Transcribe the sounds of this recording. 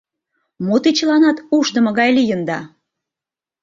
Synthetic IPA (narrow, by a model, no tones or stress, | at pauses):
mot̪it͡ɕəlɑnɑt̪uʃd̪ə̆mə̆ɣɑjlijənd̪ɑ